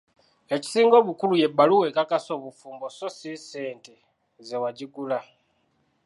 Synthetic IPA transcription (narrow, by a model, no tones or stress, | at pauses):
e̞ci̥siːŋɡo̞ːβukuluje̞bːaluwe̞ːkakaso̞ːβufuːmbososise̞ːnte | zewaɟiɡula